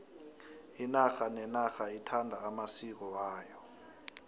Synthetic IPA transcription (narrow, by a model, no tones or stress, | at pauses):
inaxanɛnaxaitʰandʱaːmasik̬ɔaːjɔ